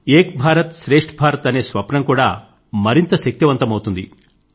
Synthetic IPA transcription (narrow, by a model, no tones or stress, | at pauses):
eːk̚bʱaːɾɐt̪ʃɾeːʂʈbʱaːɾɐt̪ɐne̞ːsʋɐpnɐmkuːɽaː | mɐɾint̪ɐʃɐk̚t̪iʋɐnt̪ɐmɐwt̪und̪ḭ